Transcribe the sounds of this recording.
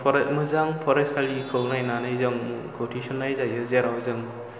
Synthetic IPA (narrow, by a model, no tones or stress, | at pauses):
pʰɔɾmɯzaŋpʰɔɾesalikʰɯknajnanɯjzɔŋkʰotʰisɔnːajzajɯzeɾawzɯŋ